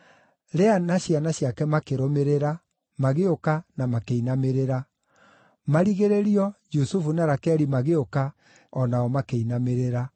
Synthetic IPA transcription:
ɾɛanaɕianaɕjakɛmakeɾomeɾeɾa | maɣeokanamakeinameɾeɾa | maɾiɣeɾeɾiɔd͡ʒusufunaɾakɛɾimaɣeoka | ɔnaɔmakeinameɾeɾa

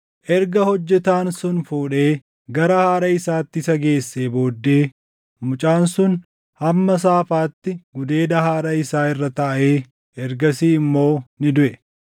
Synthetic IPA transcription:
ʔɛɾɡɐhɔd͡ʒːɛt̪aːnsʊnfuːᶑe̞ː | ɡɐɾɐhaːɾɐɪsaːt̪ːɪsɐɡe̞ːsːeːbo̞ːd̪ːe̞ː | mʊt͡ʃʼaːnsʊn | hɐmːɐs̬aːfaːt̪ːɪɡʊd̪e̞ːd̪ɐhaːɾɐɪsaːɪrːɐt̪ɐʔeː | ʔɛɾɡɐsiːɪmːo̞ːnɪd̪ʊʔɛ

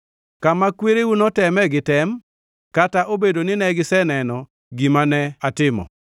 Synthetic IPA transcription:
kamakweɾewunɔtɛmɛɡɪtɛm | kataʔobedonɪnɛɡɪsɛnɛnɔ | ɡimanɛatɪmɔ̰

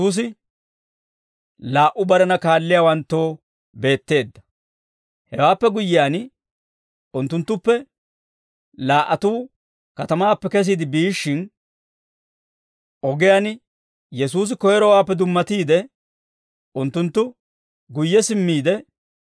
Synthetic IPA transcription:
uːs̬ɪ | laːʔʊbɐɾɐnɐkaːlːɪjaːwɐnt̪ːo̞ː | be̞ːt̪ːe̞ːd̪ːɐ̥ | hɛwaːpːɛɡʊjːɪjaːn | ʊnt̪ːʊnt̪ːʊpːɛ | laːʔɐt̪uː | kɐt̪ɐmaːpːɛkɛs̬iːd̪ɪbiːʃːɪn | ʔɔɡɪjaːn | jɛsuːs̬ɪkɔjɛɾɔwaːpːɛd̪ʊmːɐt̪iːd̪ɛ | ʊnt̪ːʊnt̪ːʊ | ɡʊjːɛsɪmːiːd̪ɛ

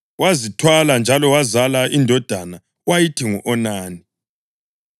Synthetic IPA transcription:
wazitʰwaland͡ʒʱalɔwazalaʔindʱɔd̥ʱana | wajitʰiŋɔʔɔnaːni

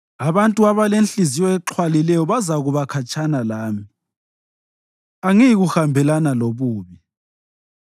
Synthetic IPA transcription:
aβantʼuaβalenɬizijɔɛǁʰwalilɛjɔβazaɣuβakʰat͡ʃʼanalaːmi | aŋijiɣuxambʱɛlanaloβuːβi

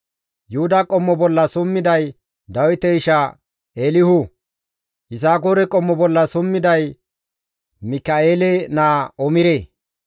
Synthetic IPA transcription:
jʊhʊd̪akʼɔmːɔbɔlːɐsʊmːɪd̪ɐj | d̪ɐwɪt̪ɛɪʃɐ | eːlɪhʊ | ɪsaːɡoːɾɛkʼɔmːɔbɔlːɐsʊmːɪd̪ɐj | mɪkːɐeːlɛnaːɔmɪɾe

